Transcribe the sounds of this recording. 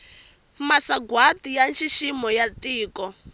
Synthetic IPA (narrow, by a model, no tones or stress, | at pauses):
masaɡwatijant͡ʃʰiʃimɔjatʼiːkɔ